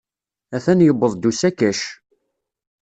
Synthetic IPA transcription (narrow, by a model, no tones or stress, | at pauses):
æθænjəbːəðˤd̪usækæʃ